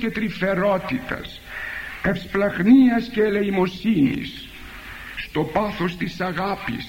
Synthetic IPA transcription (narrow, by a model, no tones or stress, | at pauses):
ce̞t̪ɾife̞ɾo̞t̪it̪ɐ̰s | efsplɐɣniɐsceːle̞imo̞sinḭsː | t̪o̞pɐθo̞st̪isɐɣɐpḭs